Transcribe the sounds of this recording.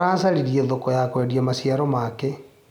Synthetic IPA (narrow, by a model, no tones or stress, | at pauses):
aːsaɾiɾieðokɔjakwɛːdiamasjaɾɔmake